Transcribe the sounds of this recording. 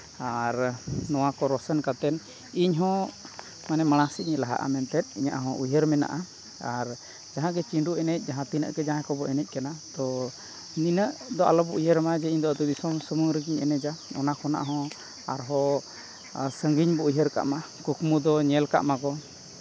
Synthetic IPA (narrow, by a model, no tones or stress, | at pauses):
aɾnɔwakɔɾɔsənkat̪ɛn | iɲɦɔ̃ | manɛmaɽ̃ãsiɲɛlaɦa̰ʔa̰mɛnt̪ɛt̪̚ˀiɲa̰ʔɦɔ̃ʔujəɾmɛna̰ʔa | aɾ | d͡ʒaɦãɡɛt͡ʃiɳɖuʔɛnɛc̚ˀd͡ʒaɦãt̪inə̰ʔkɛd͡ʒaɦɛ̃kɔbɔʔɛnɛc̚kanat̪ɔ | ninəʔd̪ɔʔa̰lɔbɔʔujəɾmad͡ʒɛiɲd̪ɔad̪ɔbisɔmsəmuŋɾəɡiɲɛ̰nɛd͡ʒaɔ̰nakʰɔna̰ʔɦɔ̃ | aɾɦɔ | səŋɡiɲbɔujɦəɾka̰ʔma | kukmud̪ɔɲɛlka̰ʔmakɔ